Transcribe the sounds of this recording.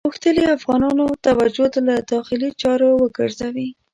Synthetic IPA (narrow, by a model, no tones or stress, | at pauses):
uxt̪əliafɣɑnɑnot̪awad͡ʒot̪alad̪ɑxɪlit͡ʃɑɾowəɡə̰ɾzawi